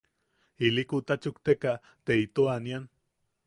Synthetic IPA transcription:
ilikut̪at͡ʃukt̪eka | t̪eit̪oanjan

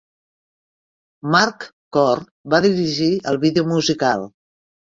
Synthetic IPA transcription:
maɾkː | ɔr | baðiɾiʒiəlˠβiðeumuzikalˠ

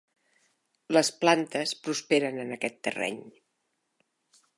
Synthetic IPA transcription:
ləsplant̪əspɾuspeɾənənəkɛt̪ːə̰rɛ̰ɲ

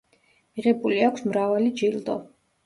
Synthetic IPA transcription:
miʁɛbuliakʷʰsmɾavalid͡ʒild̪ɔ

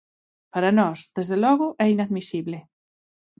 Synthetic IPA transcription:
paɾanɔsðezðelɔɣʊʔɛinaðmisiβlɪ

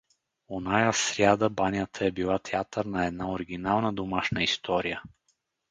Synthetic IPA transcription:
onajasɾʲjad̪əbanʲjət̪ʰəɛbilˠat̪ʰɛat̪əɾnɐɛd̪naoɾiɡʲinalˠnəd̪omaʃnəist̪ɔɾijə

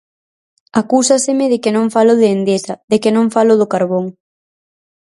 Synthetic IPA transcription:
akusasemɪðɪkɪnõŋfalʊðeːnd̪esaðekɪnõŋfalʊðokaɾβoŋ

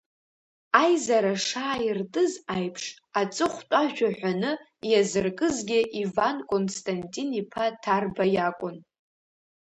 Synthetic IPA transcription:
ajzaɾaʂaːirtʼɨzajpʰʂ | at͡sʼɨχʷtʷʼaʒᶣaħᶣʷanɨ | jazɨrkʼɨzɡʲɪʔivankʼonstʼantʼinipʰatʰarbajakʷʼʊn

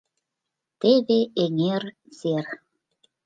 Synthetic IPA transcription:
t̪eβeeŋer | z̥er

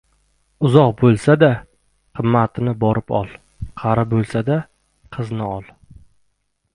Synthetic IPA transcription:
ʊzɒqbolˠsad̪a | qʰɨmːat̪ɪnɪbɒɾɪpɒ̰lˠ | qʰɑɾabolˠsad̪a | qʰɨznɪɒlˠ

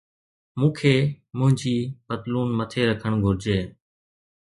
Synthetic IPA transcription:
mũːkʰeː | mʊ̃ɦɪ̃ɲd͡ʒiːpət̪luːnmət̪ʰeːɾəkʰəɳɡʱʊɾd͡ʒeː

